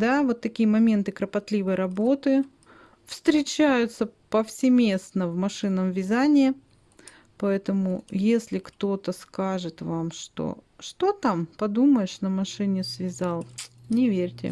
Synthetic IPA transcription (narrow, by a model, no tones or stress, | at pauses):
d̪avo̞t̪ːɐkʲijəmɐmʲe̞nt̪ɨkɾəpɐt̪lʲivəjɾɐbo̞t̪ɨ | fst̪ɾʲɪt͡ɕæjʊt̪səpəfsʲɪmʲe̞snəvmɐʂɨnəmvʲɪzanʲɪjə | pɐɛt̪əmʊjesʲlʲɪkt̪o̞t̪əskaʐɨt̪vamʂt̪o̰ʂt̪ot̪ampɐd̪uməjɪʂnəmɐʂɨnʲɪsvʲɪzalˠnʲɪvʲeɾʲtʲɪ̰